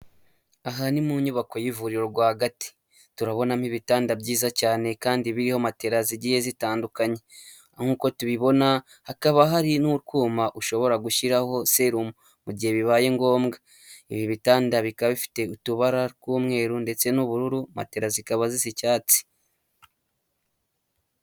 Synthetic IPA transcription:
aɦanimuɲuβako̞jivuɾiɾoɾɡwaːhaɡati̥ | tuɾaβo̞nam̥hiβitaːndabɟiːzacaːne̞kaːndiβiɾiho̞mate̞ɾaziɟihe̞zitaːndukaɲe̞ | ŋ̥uːko̞tuβiβo̞na | hakaβaɦaɾinuɾkuːmaʔuʃo̞βo̞ɾaɡuʃiɾaho̞se̞ɾumu | muɟiheβiβaːje̞ŋɡo̞ːmɡa | iβiβitaːndaβikaβifi̥te̞utuβaɾaɾkuːmŋe̞ːɾunde̞t͡se̞nuβuɾuɾuma̰te̞ɾazikaβazizicaːt͡si̥

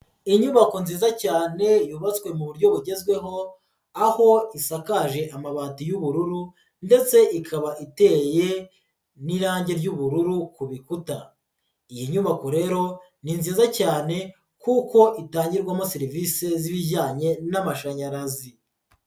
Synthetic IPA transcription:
iɲuβako̞nziːzacaːne̞juβat͡skwe̞muβuɾɟo̞βuɟe̞zɡwe̞ɦo̞ | aho̞isakaʒe̞ʔamaβaːtijuβuɾuɾu | nde̞t͡se̞ʔikʰaβaʔite̞ːje̞ | niɾaːɲɟe̞ɾɟuβuɾuɾukuβikuta | ijiɲuβako̞ɾe̞ːɾo̞ | ninziːzacaːne̞ | kuko̞ʔitaːɲɟiɾɡwamo̞siɾivise̞ziβiɟaːɲe̞namaʃaɲaɾazi

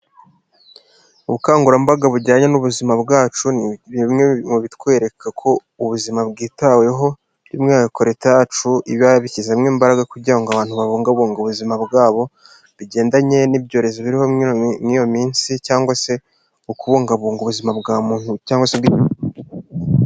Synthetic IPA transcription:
uβukaːŋɡuɾambaɡaβuɾɟaːɲe̞nuβuzimabɡaːt͡ʃuβimŋemuβitkwe̞ːɾe̞kʰakʰo̞ | uβuzimabɡiːtwawe̞ɦo̞ | ɾimŋaːkakʰo̞ɾetajat͡ʃuiβaβicizemŋiːmbaɾaɡakuɟiɾaŋɡoaβaːn̥huβaβoːŋɡaβoːŋɡuβuzimabɡaːβo̞ | βiɟe̞ːndaɲe̞nib̚ɟo̞ːɾe̞zoβiɾiho̞mŋiːjo̞miːnsicaːŋɡwase̞ | ukuβoːŋɡaβuːŋɡuβuzimabɡamuːnucaːŋɡwasebɡi

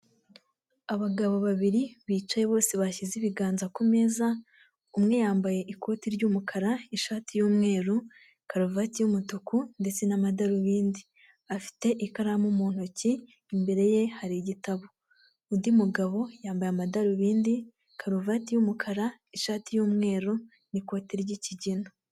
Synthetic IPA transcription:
aβaɡaβo̞βaβiɾiβiːt͡ʃajeβo̞ːseβaçiziβiɡaːnzakume̞ːza | umŋe̞jaːmbaje̞ʔikʰo̞ːtiɾɟumukʰaɾaiʃaːtijuːmŋe̞ːɾu | kaɾuvatijumutukunde̞t͡se̞namadaɾuβiːndi | afi̥te̞ʔikaɾamumuːn̥hociː | mbe̞ɾe̞je̞haɾiɟitaβo | undimuɡaβo̞jaːmbajamadaɾuβiːndi | kʰaɾuvaːtijumukʰaɾa | iʃaːtijuːmŋe̞ːɾu | niko̞ːtiɾɟiciɟino

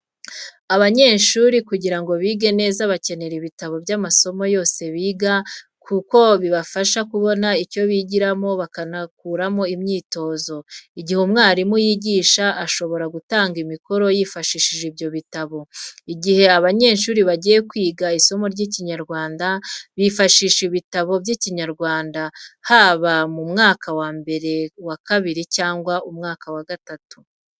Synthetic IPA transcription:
aβaɲe̞ːnʃuːɾikuɟiɾaŋɡo̞βiːɡene̞ːzaβace̞ne̞ɾiβitaβo̞bjamaso̞mo̞jo̞ːse̞βiːɡa | kʰuko̞βiβafaʃakuβo̞naico̞βiɟiɾamo̞βakanakuɾamo̞imɲiːto̞ːzo̞iɟihumŋaːɾimujiɟiːʃaʔːʃo̞βo̞ɾaɡutaːŋɡimiko̞ɾo̞jiːfaʃiːʃiʒibjo̞βitaβo̞iɟihe̞aβaɲe̞ːnʃuːɾiβaɟije̞kwiːɡaiso̞mo̞ɾɟiːciɲaɾɡwaːndaβifaʃiʃiβitaβo̞bjiciɲaɾɡwaːndahaːβamumŋaːkawaːmbe̞ɾe̞wakaβiɾicaːŋɡwaʔumŋaːkawaɡatatu̥

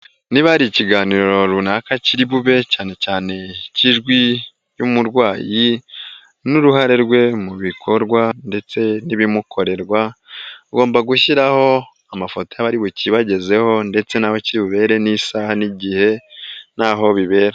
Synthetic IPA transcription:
niβaɾiciɡaːniːɾo̞ɾo̞ɾunakaciɾiβuβe̞caːne̞caːne̞ciʒɡwi | jumuɾɡwaːji | nuɾuhaɾeɾɡwe̞muβikʰo̞ɾɡwande̞t͡se̞niβimukʰo̞ɾe̞ɾɡwaɡo̞ːmbaɡuʃiɾaho̞ | amafotojaβaɾiβuciβaɟe̞ze̞ho̞nde̞t͡se̞naːho̞ciɾiβuβe̞ːɾe̞nisahaniɟihe̞naːɦo̞βiβe̞ːɾa

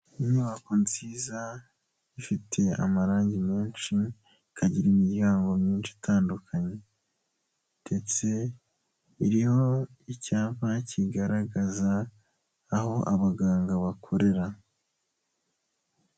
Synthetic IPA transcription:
iɲuβako̞nziːza | ifitʰe̞a̰maɾaːɲɟimiːnʃi | kʰaɟiɾimiɟjaːŋɡo̞mɲiːnʃi̥tʰaːndukʰaɲe̞ | d̥e̞t͡se̞ | iɾiho̞ | icaːvaciɡaɾaɡazaː | ho̞ʔaβaɡaːŋɡaβakʰo̞ɾe̞ɾa

